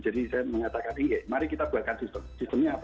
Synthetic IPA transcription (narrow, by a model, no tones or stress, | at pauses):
d͡ʒ̥adisajaməŋat̪akaniŋɡemaɾikit̪ab̥ualkansist̪əmsist̪əmɲaap